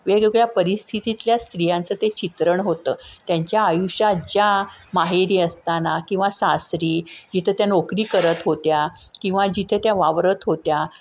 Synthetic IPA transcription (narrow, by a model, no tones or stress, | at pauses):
ʋeɡeɡɭjapəɾist̪ʰit̪it̪ljast̪ɾijãnt͡sət̪et͡ɕit̪ɾəɳɦot̪əːt̪jaɲt͡ɕjaːjuɕad͡ʑjamaɦeɾiːəst̪anakĩw̃ʋasast̪ɾiːd͡ʑit̪ʰet̪janokɾiːkəɾət̪ɦot̪ja | kĩw̃ʋad͡ʑit̪ʰet̪jaʋaʋɾət̪ɦot̪ja